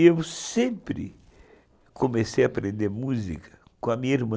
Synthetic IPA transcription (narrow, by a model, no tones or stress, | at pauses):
ewsẽmpɾɪ̰ | kʰomesejaːpɾẽnd̪eɾmuzḭkʰɐ̥ | kõɐmĩɲɐiɾmɐ̃